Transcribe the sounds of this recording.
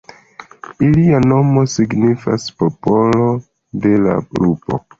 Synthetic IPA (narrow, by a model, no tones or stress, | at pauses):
iliano̞mo̞siɡnifa̰spo̞po̞lo̞ | de̞la̰bɾupo̞̰